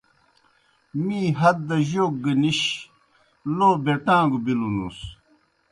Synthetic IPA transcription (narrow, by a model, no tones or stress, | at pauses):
miːɦɐt̪̚d̪ɐʑoːk̚ɡəniɕ | loːbeʈãːɡubilunṵs